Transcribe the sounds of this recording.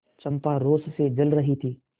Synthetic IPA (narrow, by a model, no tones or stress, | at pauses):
t͡ʃɐ̃mpaɾoːssed͡ʒɐlɾɐɦit̪ʰiː